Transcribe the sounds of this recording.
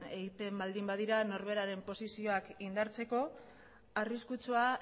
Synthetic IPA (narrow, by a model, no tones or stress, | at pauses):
e̞ɣit̪e̞mbald̪imbað̞iɾano̞ɾβe̞ɾaɾe̞mpo̞sisio̞akind̪aɾt͡se̞ko̞ | ariskut͡sua